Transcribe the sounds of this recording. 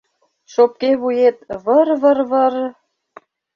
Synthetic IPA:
ʃop̚keβujet̪βərβərβər

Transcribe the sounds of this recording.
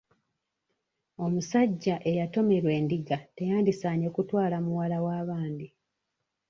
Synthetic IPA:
o̞musaɟːaʔe̞jato̞me̞ɾwe̞ːndiɡate̞jaːndisaːɲe̞kutwaːlamuwalawaːβaːnd̪i

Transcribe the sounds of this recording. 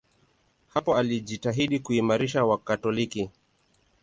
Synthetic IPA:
hapɔaliʄitaɦiɗikuimaɾiʃawakatɔliki

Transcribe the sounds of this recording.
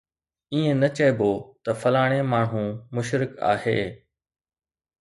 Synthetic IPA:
iːẽnɐt͡ɕɐɪboːt̪ɐfɐlaːɽ̃emaːɳɦũmʊʃɾɪka̰ːhḛː

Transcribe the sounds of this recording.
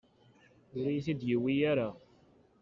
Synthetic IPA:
ʊɾijiθid̪jəwːijaɾa

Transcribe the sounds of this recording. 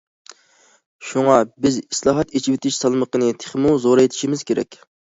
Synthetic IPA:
ʃuŋɑbɪzislˠɑːɦɑt̪et͡ʃʰiwɪt̪ʰɪʃsɑlˠməqənɨt̪ʰe̥χmuzoɾet̪ʰɪ̥ʃimɪz̥kʲʰeɾɛ̰kʲ

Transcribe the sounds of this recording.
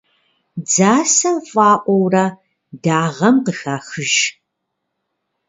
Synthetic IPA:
d͡zaːsɐmfʼɑːʔʷɔwrɐ | daːʁɐmqəxaːxɨʒ

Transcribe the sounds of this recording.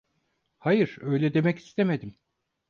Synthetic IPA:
hajɯɾ̥øjlʲɛd̪e̞mɛci̥st̪ʰeme̞d̪im

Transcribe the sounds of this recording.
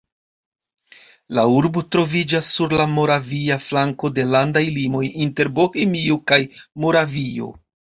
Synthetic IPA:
lauɾbotɾo̞vid͡ʒasːuɾlamo̞ɾaviaflaŋko̞de̞landajlimo̞jinte̞ɾbo̞hemiokajmo̞ɾavio̞̰

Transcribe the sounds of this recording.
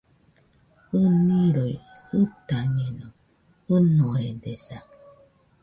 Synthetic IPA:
ɨniɾoj | ɯtaɲeno | ɨnoɾedesa

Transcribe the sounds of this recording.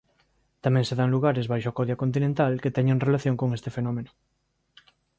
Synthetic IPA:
t̪amẽŋseðaŋluɣ̞aɾezβajʃoakoðjakont̪̬inẽnt̪alket̪ɛɲeŋrelaθjõŋkoŋest̪efenomenʊ

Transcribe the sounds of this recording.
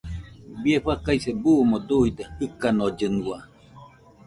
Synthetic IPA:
bieɸakajsebumod̪uid̪ehɯkanod͡ʒɨnwa

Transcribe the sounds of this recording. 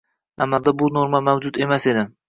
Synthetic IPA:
a̰mːalˠd̪abʊnoɾmamawd͡ʒʊt̪e̞mase̞d̪ɪm

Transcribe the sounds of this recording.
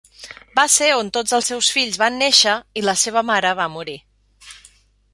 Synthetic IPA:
baseont̪od͡zəlˠsɛwsfiʎzβanːeʃəiləseβ̞əmaɾəβamuɾi

